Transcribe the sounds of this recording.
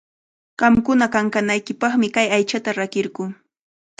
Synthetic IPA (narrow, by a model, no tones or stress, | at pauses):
ɢ̥ɑmkʊnakaŋkanajkɪpɑχmɪkajajt͡ʃat̪aɾakɪɾɢʊː